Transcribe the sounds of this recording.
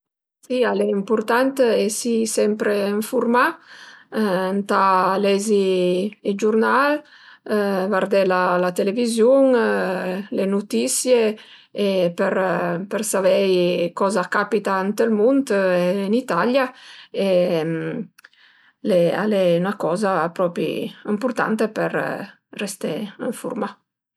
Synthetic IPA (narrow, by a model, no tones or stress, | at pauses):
sialɛimpuɾt̪ant̪esisɛmpɾeiɱfuɾma | nt̪alɛzied͡ʒuɾnal | vaɾd̪ɛlalat̪elevizjuŋ | lenut̪isje | epeɾpəɾsavɛjkɔzakapit̪ant̪əlmunt̪enit̪aljaem | lea̰lɛynakɔːzapɾɔpɾḭimpuɾt̪a̰nt̪epəɾ | rest̪ḛiɱfṵɾma